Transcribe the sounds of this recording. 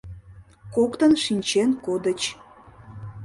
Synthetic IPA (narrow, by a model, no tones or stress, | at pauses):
kokt̪ənʃinʲt͡ɕenkod̪ət͡ɕ